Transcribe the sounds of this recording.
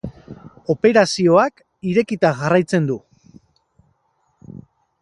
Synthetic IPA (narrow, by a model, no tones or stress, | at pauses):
o̞pe̞ɾasio̞ak | iɾe̞kit̪aɣarajt͡se̞nd̪u